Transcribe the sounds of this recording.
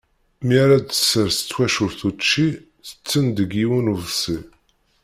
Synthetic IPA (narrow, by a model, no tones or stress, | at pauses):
miaɾad̪ə̥sːəɾsə̥t͡sːwæʃʊɾθut͡ʃːi | θə̥t͡sːənd̪əɡiwunuðsi